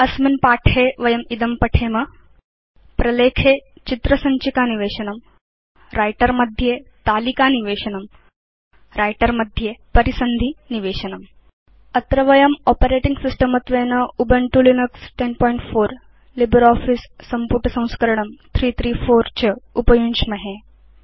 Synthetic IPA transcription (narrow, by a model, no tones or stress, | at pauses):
ɐsminpaːʈʰeːʋɐjɐmid̪ɐmpɐʈʰeːmɐ | pɾɐleːkʰeːt͡ʃit̪ɾɐsɐɲt͡ʃikaːniʋeːʃɐnɐm | ɾaːjʈɐɾmɐd̪ʱjeːt̪aːlikaːniʋeːʃɐnɐm | ɾaːjʈɐɾmɐd̪ʱjeːpɐɾisɐnd̪ʱiniʋeːʃɐnɐm | ɐt̪ɾɐʋɐjɐmɔːpɐɾeːʈiŋɡsisʈɐmɐt̪ʋeːnɐubɐɳʈulinɐksʈenpɔːiɳʈfoːɾ | libɐɾɔːfisːɐmpuʈɐsɐ̃w̃skɐɾɐɳɐmt̪ʰɾiːt̪ʰɾiːfoːɾt͡ʃɐupɐjunʃmɐɦe